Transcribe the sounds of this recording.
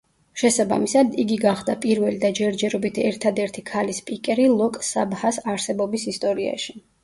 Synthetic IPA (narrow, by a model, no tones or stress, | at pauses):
ʃɛsaba̰misad̪iɡiɡaχd̪apʼiɾvɛlid̪ad͡ʒɛɾd͡ʒɛɾɔbit̪ʰɛɾt̪ʰad̪ɛɾt̪ʰikʰalispʼikʼɛɾilˠɔkʼsabhasaɾsɛbɔbisist̪ʼɔɾia̰ʃi̥